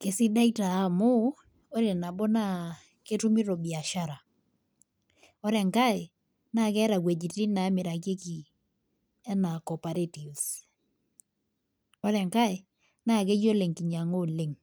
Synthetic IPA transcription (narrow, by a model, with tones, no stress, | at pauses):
ke˨˦sɪ˦da˦itaː˨˦mʊ˦ | o˦ɾɛ˨na˨bɔ˦na˦ | ke˦tu˦mi˦ɾo˨bi˨a˨ʃa˦ɾa˨ | ɔ˦ɾɛ˨ŋka˦ɪ˨ | na˦˨kɛ˦ɾa˨kwe˨d͡ʒi˨ti˦na˨˦mɪ˨ɾa˨k̬e˦ki˨ | ɛ˦na˨kɔ˨pa˨ɾe˦ti˨s | ɔ˦ɾɛ˨ŋka˦ɪ˨ | na˦˨k̬e˦jo˦le˨ŋki˨ɲa˨ŋo˦lɪ˨ŋ